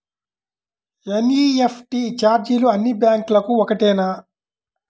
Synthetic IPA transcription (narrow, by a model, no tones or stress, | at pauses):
eniepʈit͡ʃaːɾd͡ʒiluɐnːibjaːŋklɐkuɔkɐʈeːnaː